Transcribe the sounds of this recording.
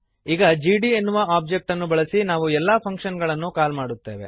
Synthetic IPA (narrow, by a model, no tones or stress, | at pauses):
iːɡɐd͡ʒiːɖienːuʋɐaːp̚d͡ʒek̚ʈɐnːubɐɭɐsinaːʋuɛlːaːpʰɐŋkʂɐnɡɐɭɐnːukaːlmaːɽut̪ːe̞̰ːʋe̞̰